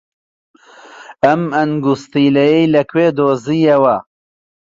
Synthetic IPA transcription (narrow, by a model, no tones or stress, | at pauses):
ɐmɐnɡust̪iːlɐjɐjlɐkʰweːd̪oːziːjɐwɐ